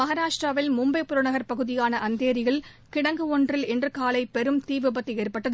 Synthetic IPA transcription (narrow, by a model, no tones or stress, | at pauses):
mɐɣɐɾaːʂʈraːʋɪlmʊmbɐɪpːʊɾɐɳɐɣɐɾpɐɣɯðɪjaːnɐʔɐnd̪eːɾɪɣɐɭ | kɪɽɐŋɡɯɔndrɪlɛndrɯkaːlɐɪpɛɾɯmt̪iːʋɪbɐt̪ːieːrpɐʈːɐðɯ